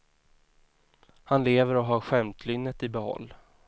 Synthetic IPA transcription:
hanleːvəɾɔɦaɾɧɛmt̪ʰlʏnːət̪ɪbɛhɔ̰lː

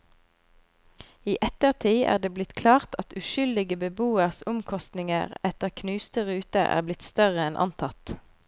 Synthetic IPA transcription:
iːʔɛt̪əʁt̪ʰiːʔæ̰ːʁd̪eːblɪt̪kʰlɑːʁt̪ʰɑt̪ʉʃʏld̪ɪɡəbəbuːəʁsʊmkʰɔst̪nɪŋə̰ʁɛt̪əʁkʰnʉːst̪əʁʉːt̪əʔæ̰ːʁblɪt̪st̪œʁəɛnʔɑ̰nt̪ʰɑt̪

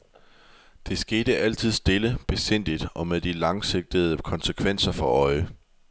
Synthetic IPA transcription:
d̥e̝sɡ̥e̝ːɾəʔæl̰t͡sʰið̞̰ˠsd̥e̝ləb̥e̝sen̰d̥id̥ɒ̽meðˠd̥ilɑ̈ŋse̝ɡ̥̚d̥əð̞̩ˠkʰɒ̽nsəkʰʋen̰sɐfɒ̽ʔɒ̽ɪə

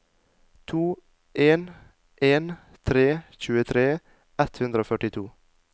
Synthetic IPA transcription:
t̪ʰuː | ʔeːn | ʔeːn | t̪ʰɾeːçʉːət̪ʰɾeː | ʔɛt̪hʉnd̪ɾəoːfœʈɪt̪ʰuː

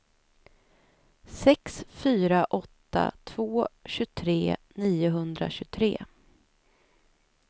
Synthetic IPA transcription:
sɛksfyːɾaʔɔt̪ːa̰t̪ʰv̥oːɕɵt̪ʰɾeːniːʊɦɵnd̪ɾa̰ɕɵt̪ʰɾḛː

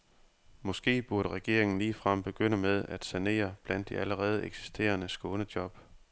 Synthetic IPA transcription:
mɒ̽sɡ̥e̝̰ːb̥uɐɾ̥əʁɛɡ̥e̝ɐ̰e̝ŋn̩liːfʁɑm̰b̥e̝ɡ̥øn̰əmeð̞ˠæd̥sæne̝̰ːɐb̥læn̰d̥ːiæləʁɛːð̞̩ˠeɡ̥si̥sd̥e̝̰ːɐnəsɡ̥ɔ̽ːnəd̥jɒ̽b̥

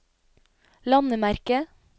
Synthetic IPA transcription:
lɑnəmæɾkə

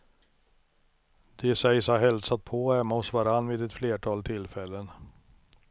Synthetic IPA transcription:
d̪̥ɛsɛjsaɦɛlsat̪̚pʰoɛmːaɔsvaɾanːviːd̪ɛt̪fleːʈʰɑːlt̪ʰɪlfɛlːən

